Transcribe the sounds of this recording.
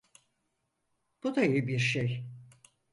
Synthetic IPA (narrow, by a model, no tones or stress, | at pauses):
b̥ud̪ajɯbiɾʃej